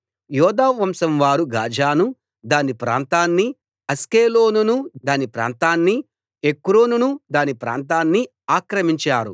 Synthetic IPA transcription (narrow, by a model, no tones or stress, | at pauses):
jɔːd̪aːʋɐmsɐmʋaːɾuɡaːd͡ʒʱaːnu | d̪aːnipɾa̰ːnt̪aːnːi | ɐskeːloːnunud̪aːnipɾa̰ːnt̪aːnːi | ekːɾoːnunud̪aːnipɾa̰ːnt̪̬aːnːi | aːkɾɐmiɲt͡ʃaːɾṵ